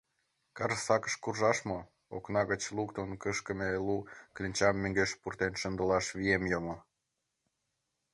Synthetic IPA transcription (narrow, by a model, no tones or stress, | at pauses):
kɑrsɑkə̥̆ʃkurʒɑʃmo | o̰knɑɣət͡ɕlukt̪onkəʃkə̆meluklʲinʲt͡ɕɑmːøŋɡeʃpurt̪enʃə̆nd̪əlɑʃβiemjomo